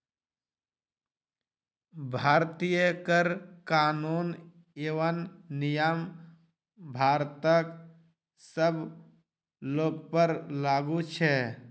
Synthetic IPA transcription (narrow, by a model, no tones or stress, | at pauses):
bʱaːɾt̪ijəkəɾkaːnuːn | eʋənːɪjəm | bʱaːɾt̪ək | səb | loːɡpəɾlaːɡut͡ʃʰɛ